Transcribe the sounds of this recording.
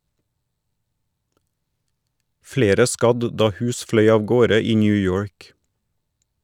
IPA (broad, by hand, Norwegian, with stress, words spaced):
ˈfleːɾə ˈskɑd ˈdɑː ˈhʉːs ˈflœʏ ɑːʋˈɡoːɾə ˈiː ˌnjʉːˈjoːɹk